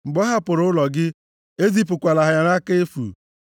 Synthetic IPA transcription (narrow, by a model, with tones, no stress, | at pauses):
ŋ͡m̩˨ɡ͡bɔ˦ɦa˦pʊ˨ɾʊ˦lɔ˨ɡɪ˦ | e˦zi˦p̬ʊ˨kʷa˨la˨ɦa˨a˨na˦ke˦e˦fṵ˨